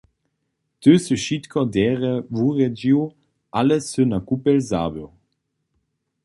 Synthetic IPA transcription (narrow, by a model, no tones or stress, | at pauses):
tøsəʃit̪kʰɔdɛːʁɛvuʁɛd͡ʒiw | ʔalɛsønakupɛlza̰ːbɛ